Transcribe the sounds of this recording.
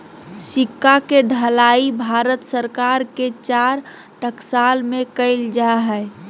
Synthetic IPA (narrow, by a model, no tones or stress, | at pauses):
sikːakeɖʱəlaibʱaɾət̪səɾkaɾket͡ʃaɾ | ʈəksalmekəɪld͡ʒaɦəɪ